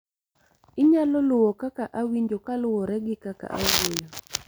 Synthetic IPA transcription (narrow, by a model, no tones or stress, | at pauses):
ɪɲalɔlʊwokakaʔawiɲd͡ʒokalʊwɔɾɛɡɪkaka̰ʔaɡojo